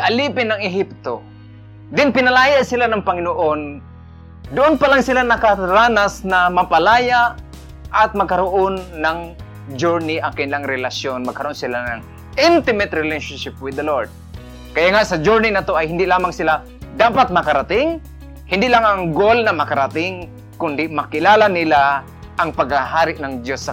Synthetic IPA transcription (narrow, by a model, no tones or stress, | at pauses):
ʔaliːpɪnːaŋɪɦɪp̚t̪o | d̪ɪnpɪnalaːjaʔsɪlanaŋpaŋɪnoʔon | d̪ʊʔʊnpalaŋsɪlanɐkaɾaːnasnamapalaːjaʔ | ʔat̪̚mɐɡ̚kaɾoʔonːaŋ | d͡ʒoɹnɪʔaŋkɪnlaŋɾɛlasjonmɐɡ̚kaɾonsɪlanaŋ | ʔɪnt̪ɪmɛt̪ɾɪleʃonʃɪp̚wɪd̪ɐloɹd̪̚ | kɐjaŋaʔsɐd͡ʒuɹnɪnat̪oʔajhɪnd̪ɪʔlaːmaŋsɪla | d̪aːpat̪̚mɐkaɾat̪ɪŋ | hɪnd̪ɪʔlaŋaŋɡolnɐmɐkaɾat̪ɪŋ | kʊnd̪ɪmɐkɪlaːlanɪla | ʔɐŋpaɡ̚aɦaːɾɪʔnɐŋd̪josːa